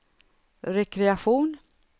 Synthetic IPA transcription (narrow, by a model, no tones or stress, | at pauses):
ɾɛkɾɛaɧuːn